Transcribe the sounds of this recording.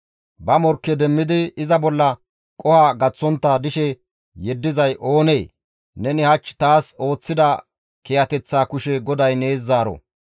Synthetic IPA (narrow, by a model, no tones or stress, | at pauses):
bɐmɔɾkːɛd̪ɛmːɪd̪ɪɪzɐbɔlːɐ | kʼɔhaɡɐt͡sːɔnt̪ːad̪ɪʃɛ | jɛd̪ːɪzɐjʔo̞ːne̞ː | nɛnɪhɐt͡ʃːt̪aːso̞ːt͡sːɪd̪ɐ | kɛjɐt̪ɛt͡sːaːkʊʃɛɡɔd̪ɐjne̞ːzːaːɾɔ̰